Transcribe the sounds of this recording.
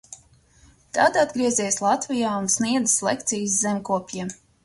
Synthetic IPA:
t̪ad̪ad̪ɡɾiɛzʲiɛjslˠat̪vʲijaːunsniɛd̪zɨ̥slekt̪sijszemkuɔpʲjiɛm

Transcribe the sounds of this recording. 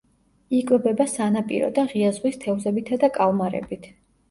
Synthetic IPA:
ikʼwɛbɛbasanapʼḭɾɔ̰d̪aʁiazʁwist̪ʰɛvzɛbit̪ʰad̪akʼalˠmaɾɛ̰bit̪ʰ

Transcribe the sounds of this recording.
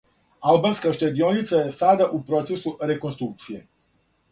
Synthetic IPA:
albanskaʃt̪ad̪io̞nit̪sajesad̪aʔupɾo̞t̪sesuɾeko̞nst̪ɾuk̚t̪sije

